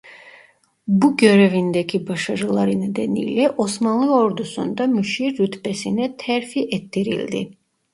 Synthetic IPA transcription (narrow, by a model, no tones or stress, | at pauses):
buɟø̞ɾevind̪ɛcʰibaʃaɾɯlˠaɾɯned̪ɛnḭjlʲɛʔo̞smanlˠɯo̞ɾd̪usṵnd̪amyʃiɾːyt̪bɛsinɛt̪ʰɛɾfiʔɛt̪ʰːiɾḭlʲd̪ḭ